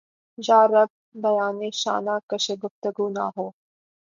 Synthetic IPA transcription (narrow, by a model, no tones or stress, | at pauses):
d͡ʒaːɾɐɡ̚ | bɐjaːneːʃa̰ːnaːkɐʃeɡʊft̪əɡuːna̰ɦoː